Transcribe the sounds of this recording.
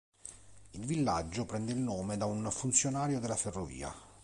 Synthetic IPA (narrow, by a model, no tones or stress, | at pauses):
ilvilːad͡ʒːopɾɛnd̪eilnoːmed̪aunfunt̪sjonaːɾjod̪elːaferːovḭːa̰